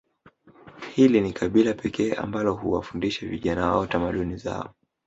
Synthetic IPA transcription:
hilinikʰaɓilapɛkɛːa̰mbalɔɦuwafundiʃaviʄanawaɔtamaɗuniza̰ɔ

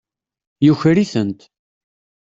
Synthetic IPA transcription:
juçɾiθənt̪

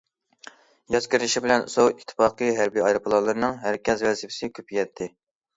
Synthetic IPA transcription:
jɑzkʲɪɾɪʃibɪlɛnsowit̪ʰːɪ̥fɑːqɨjɦæɾbiɑjɾɨpʰlˠɑlˠɨɾɨnɨŋɦæɾkʲɛzvɛsɪpʰɪ̥sɪkʲʰøpʰjɛt̪ʰːɪ

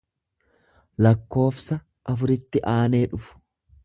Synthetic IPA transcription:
lɐkːo̞ːfsɐ | ʔɐfʊɾɪt̪ːɪʔaːne̞ːᶑʊfʊ̥

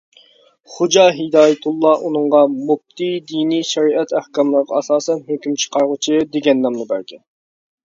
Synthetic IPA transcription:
χod͡ʒɑɦid̪ɑːjɪt̪ʰulˠːɑʔunɨŋʁɑmub̚t̪ʰid̪iniʃɛɾiɛt̪ʰæhkɑmlˠəɾʁɑɑsɑːsɛnhøkʲymt͡ʃʰə̥qɑɾʁʊt͡ʃʰɨd̪eɡʲɛnːɑmlɨbæɾkʲɛn

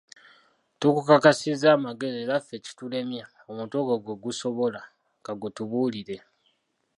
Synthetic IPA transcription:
tukukakasizaːmaɡe̞zieːɾafe̞ci̥tule̞mja | omuːntoɡoɡweɡuso̞βo̞la | ŋɡaɡwetuβuːliɾe̞

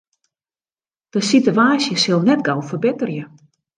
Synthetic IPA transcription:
d̥əsituaːsjəsɪlˠnɛt̚ɡawfərbɪtərjə

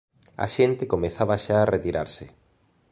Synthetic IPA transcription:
a̰ʃent̪ekomeθaβaʃaːret̪iɾaɾsɪ

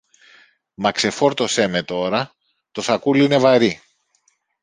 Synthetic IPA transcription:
mɐkse̞fo̞ɾt̪o̞se̞me̞t̪o̞ɾɐ | t̪o̞θɐkuline̞vɐɾi

